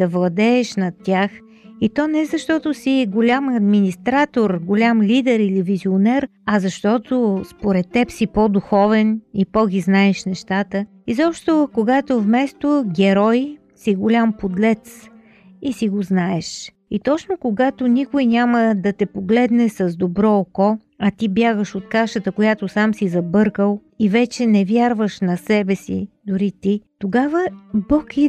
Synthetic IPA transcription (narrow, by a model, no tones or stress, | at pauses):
d̪̥ɐvlˠɐd̪ɛːʃnɐt̪ʲːax | it̪ɔnɛzɐʃt̪ɔt̪osiɡʊlʲamɐd̪minist̪ɾat̪oɾɡʊlʲamlid̪ɛɾilivizionɛɾɐzɐʃt̪ɔt̪ospoɾɛt̪ːɛpsipɔd̪uxɔvɛnipɔɡʲiznaɛʃnɛʃt̪at̪ə | izɔpʃt̪okoɡat̪ovmɛst̪oɡʲɛɾɔj | siɡʊlʲampod̪lɛt̪s | isiɡoznaɛʃ | it̪ɔt͡ʃnokoɡat̪onikʊjnʲaməd̪ɐt̪ɛpoɡlɛd̪nɛsɐzd̪obɾɔːkɔ | ɐt̪ibjaɣəʃot̪̚kaʃət̪əkojat̪osamsizɐbɤɾkəlˠ | ivɛt͡ʃɛnɛvʲjaɾvəʃnɐsɛbɛsḭd̪ʊɾit̪it̪oɡavəbɔkʰi